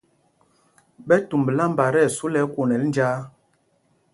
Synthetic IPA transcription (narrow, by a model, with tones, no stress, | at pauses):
ɓɛ˦tu˨mbə˨la˦m˦ba˨ɾɛ˦˨su˦lɛ˨˦ko˨nɛ˨ln˦d͡ʒaː˦